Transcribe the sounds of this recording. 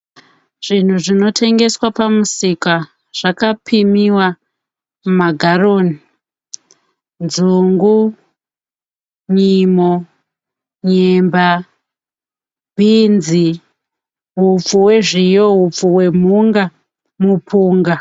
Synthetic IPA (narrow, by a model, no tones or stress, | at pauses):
ʐ̥in̤uʐino̞tʰe̞ŋɡe̞swapamusika | ʐ̥akapʰimiwa | mmaɡʱaroːni | nzuŋɡu | ɲimo | ɲemba | bʱinzi | ɦufuwe̞ʐijoɦup͡fuwe̞m̤uŋɡa | mupʰuːŋɡa